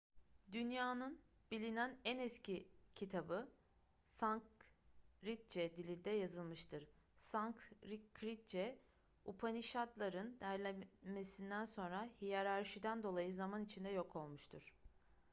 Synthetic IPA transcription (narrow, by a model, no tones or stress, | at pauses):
d̪ynjaːnɯn | bilʲinænɛnɛscʰicʰit̪ʰabɯ | saŋk | ɾit̪̚d͡ʒɛd̪ilʲiɾd̪ɛjazɯlˠmɯʃt̪ʰɯɾ̥saŋkɾikʰːɾit̪̚d͡ʒɛ | upʰaniʃat̪lˠaɾɯnd̪æɾlʲɛme̞sind̪ænso̞nɾahijaɾaɾʃid̪ænd̪o̞lˠajɯzamanit͡ʃʰind̪ɛjo̞kʰo̞lˠmuʃt̪ʰuɾ̥